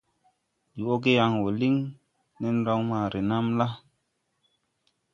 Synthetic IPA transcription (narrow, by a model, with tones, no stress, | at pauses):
di˨o˦ɡe˦ja˦ŋwo˨li˦ŋ | ne˦n˦ɾo˦ŋma˨ɾe˨na˦mla˦